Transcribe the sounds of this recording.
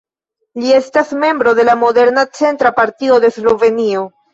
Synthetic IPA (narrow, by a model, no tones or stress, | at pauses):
lie̞stasme̞mbɾo̞de̞lamo̞de̞ɾnat͡se̞ntɾapaɾtio̞de̞zlo̞ve̞nio̞